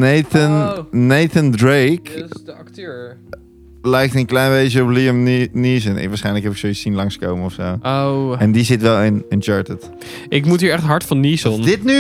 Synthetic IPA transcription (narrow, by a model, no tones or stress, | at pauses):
neθənnejθəndɹejkktː | lɛjk̚tənklɛjnbejt͡ʃəɔpliəmnis̬ənɪ̰kʋaɹsχɛjnləkɦɛpɪksowisinlɑŋskowmənɔfsowowɛndizɪtʋɛlˠɪnɪnt͡ʃɑːɹtət | ʔɪkmutɦiːɹɛχtɦɑɹtfɑnisɔndɪtny